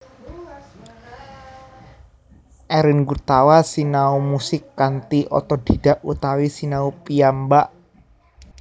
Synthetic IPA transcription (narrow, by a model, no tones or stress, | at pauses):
ʔɛɾənɡut̪awasinaumusɪkːant̪iʔɔ̰t̪ɔd̪̥i̤d̥a̤ʔut̪awisinaupiambaʔ